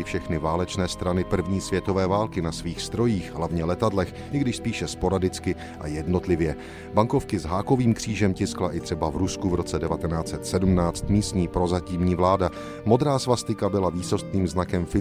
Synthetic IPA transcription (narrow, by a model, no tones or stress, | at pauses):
ɪfʃɛxnɪvaːlɛt͡ʃnɛːst̪ɾanɪpr̩vɲiːsvjɛt̪o̞vɛːvaːlkɪnasviːxst̪ɾo̞jiːxɦlavɲɛlɛt̪adlɛx | ʔɪɡdɪʃspiːʃɛspo̞ɾadɪt͡skɪ | ʔajɛdno̞t̪lɪvjɛ | baŋko̞fkɪzɦaːko̞viːmkr̝̥iːʒɛmcɪsklaʔɪt̪r̝̥ɛbavɾuskuvɾo̞t͡sɛdɛvat̪ɛnaːt͡sɛt̪sɛdumnaːt͡st̪miːst̪ɲiːpɾo̞zaciːmɲiːvlaːda | mo̞d̪ɾaːsvast̪ɪkabɪlaviːso̞st̪niːmznakɛmfɪ